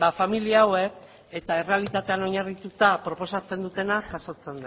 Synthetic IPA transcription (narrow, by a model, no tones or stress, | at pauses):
bafamiliaːwe̞k | et̪ae̞re̞alit̪at̪e̞ano̞ɲarit̪ut̪apɾo̞po̞sat͡se̞nd̪ut̪e̞naʝaso̞t͡se̞nd̪e